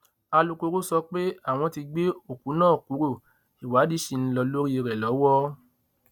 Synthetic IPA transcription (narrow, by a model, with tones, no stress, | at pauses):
a˧lu˧ko˧ɾo˦sɔ˧k͡pe˦a˦˨w̃ɔ̃˧ti˧ɡ͡be˦o˦˨ku˨˦nãː˦˨ku˨˦ɾo˦˨ | i˨wa˨˦di˦ʃi˧ñ̩˦lɔ˧lo˦ɾi˦˧ɾɛ˨lɔ˨˦wɔ˦